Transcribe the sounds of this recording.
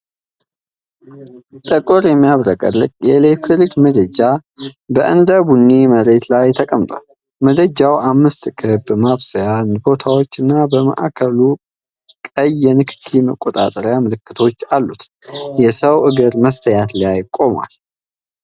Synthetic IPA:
t̪ʼəkʼɔɾjɛmːijaβɾəkʼə̰lːɨkʼjɛlekt̪ɾikməd̪əd͡ʒabəʔɨ̰nd̪əbunːiməɾe̞t̪lajt̪ʰəkʼəmt̪ʼa̰l | məd̪əd͡ʒawʔamːɨst̪kʰɨbmaβsəjanbo̞t̪ʰawo̞t͡ʃːɨnːabəmə̰ʔa̰kʰəlu | kʼəjːɛnɨkʰɨ̥kʰːiməkʼot̪ʼa̰t̪ʼəɾjamɨlɨkːɨt̪ʰo̞t͡ʃːalːut̪jɛsəwʔɨɡɨɾməst̪ʰəjat̪lajɪkʼːo̞ma̰l

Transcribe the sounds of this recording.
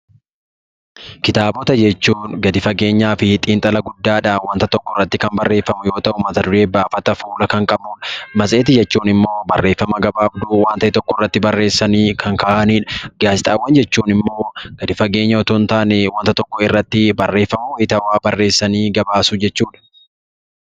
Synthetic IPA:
kɪt̪aːbɔt̪ɐd͡ʒɛt͡ʃːuːnɡɐd̪ɪfɐɡe̞ːɲːaːfɪt̪ʼiːnt̪ʼɐlɐɡʊd̪ːaːᶑɐwɐnt̪ɐt̪ɔkːɔɪrːɐt̪ːɪkɐmbɐrːe̞ːfːɐmʊjo̞ːt̪ɐʔʊmɐt̪ɐd̪ʊɾe̞ːbaːfɐt̪ɐfuːlɐkɐŋkʼɐbuːᶑɐ̥mɐsʼeːt̪ɪd͡ʒɛt͡ʃːuːnɪmːo̞ːbɐrːe̞ːfːɐmɐɡɐbaːfd̪ʊwaːnt̪ɐʔɪt̪ɔkːɔrːɐt̪ːɪbɐrːe̞ːsːɐniːkʰɐŋkaːʔɐniːᶑɐ̥ɡaːt͡ʃɪt̪ʼa̰ːwːɐnd͡ʒɛt͡ʃːuːnɪmːo̞ːɡ̥ɐd̪ɪfɐɡe̞ːɲːɐɔt̪ʊnt̪aːnɛwɐnt̪ɐt̪ɔkːɔɪrːɐt̪ːɪbɐrːe̞ːfːɐmʊwɪt̪ɐwaːbɐrːe̞ːsːɐniːɡɐbaːsʊd͡ʒɛt͡ʃːuːᶑɐ̥

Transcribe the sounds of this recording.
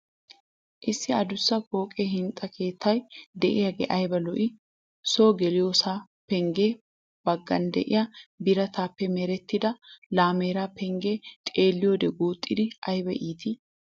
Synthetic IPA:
ʔɪsːɪɐd̪ʊsːɐkʼo̞ːkʼeɦɪnt̪ʼːɐkʰe̞ːt̪ʰːɐjd̪ɛʔɪjɐɡḛːʔɐjbɐlɔʔɪ | soːɡɛlɪjoːsaː | pɛŋɡeː | b̥ɐɡːɐ̰nd̪ɛ̰ʔɪ̰jabɪɾɐt̪ʰaːpːɛmɛɾɛt̪ːɪd̪ɐlaːmeːɾaːpɛŋɡeːt̪ʼe̞ːlːɪjoːd̪ɛɡuːt̪ʼːɪd̪ɪʔɐjbɛʔiːt̪ɪ

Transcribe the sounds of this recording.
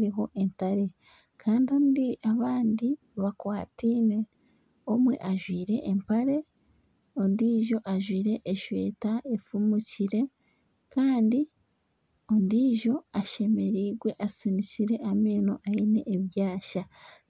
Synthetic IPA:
ɾiɦo̞ʔentaɾe̞ | kʰaːndio̞ːndiaβaːndi | βakwaːtine̞ | o̞mwe̞̰ʔaʒwiːɾe̞̰ʔːmpaɾe̞ | ondiːʒo̞ʔaʒwiːɾe̞ʔːʃwḛːtaefumuciɾe̞ | kaːndi | ondiːʒo̞aʃe̞me̞ɾiːɡwe̞ʔasiniciɾe̞ʔamiːno̞̰ʔaine̞ʔːβjaːʃa

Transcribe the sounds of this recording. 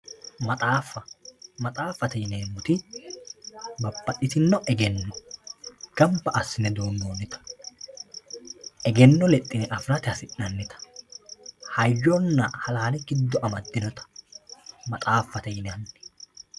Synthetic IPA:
mɐt̪ʼaːfːɐmɐt̪ʼaːfːɐt̪ɛjɪneːmʊt̪ɪ | bɐbːɐɗɪt̪ɪnːɔʔɛɡɛnːɔ | ɡ̥ɐmbɐʔɐsːɪnɛd̪oːnːoːnːɪt̪ɐ̥ | ʔɛɡɛnːɔlɛt̪ʼːɪnɛʔɐfɾɐt̪ɪɐsɪnːɐnːɪt̪ɐ̥ | hɐjːɔnːɐhɐlaːnɛɡɪd̪ːɔʔɐmɐd̪ːɪnɔt̪ɐ̥ | mɐt̪ʼaːfːɐt̪ɛjɪnɐnː

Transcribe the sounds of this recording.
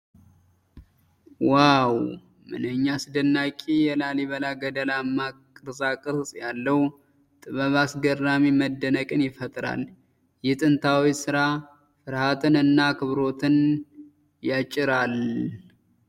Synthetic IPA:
waw | mɨ̰nəɲːasɨd̪ɨnːakʼijɛlaliβəlaɡəd̪əlamːakʼɨɾsakʼɨɾsʼjalːəw | t̪ʼɨβəβasɡərːamiməd̪ːənəkʼɨnjɪfət̪ʼɾa̰l | jɪt̪ʼɨnt̪ʰawisɨɾa | fɨɾhat̪ʰɨnɨnːakʰɨβɾo̞t̪ʰɨn | jat͡ʃʼɪɾal

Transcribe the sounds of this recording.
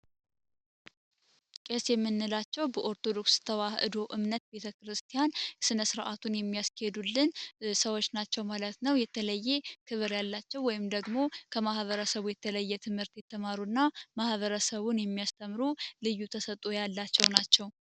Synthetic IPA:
kʼesjɛmːɨnːɨlat͡ʃːɛwbəʔo̞ɾt̪ʰo̞d̪o̞kst̪ʰəwahɨ̰d̪o̞ʔɨmnət̪̚be̞t̪ʰəkɾɨst̪ʰijansɨnəsɨɾʔat̪ʰunjɛmːijaskhed̪ulːɨnsəwo̞t͡ʃːnat͡ʃːɛwmalət̪nəwjɛt̪ʰələjːe̞kʰɨβɨɾjalːat͡ʃːɛwːɔjɪmd̪əɡmo̞kʰəmahβəɾəsəβujɛt̪ʰələjːɛt̪ʰɨmhɨɾt̪jɛt̪ʰːəmaɾunːamahβəɾəsəβunjɛmːijast̪ʰəmːɾulɨjːut̪ʰəsət̪ʼojalːat͡ʃːɛwnat͡ʃːɛw

